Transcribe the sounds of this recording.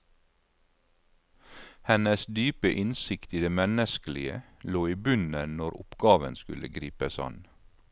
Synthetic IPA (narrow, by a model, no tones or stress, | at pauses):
hɛnəsd̪yːpəʔɪnsɪkt̪iːd̪eːmɛnəskəlɪə̰loːiːbʉnənɔɾʊ̰pɡ̥ɑːʋənskʉlʔəɡɾiːpəsɑ̰n